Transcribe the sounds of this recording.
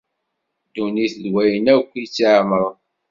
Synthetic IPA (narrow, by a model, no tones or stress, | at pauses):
d̪uniθlwæjənækʷːit͡sːiʕməɾˤ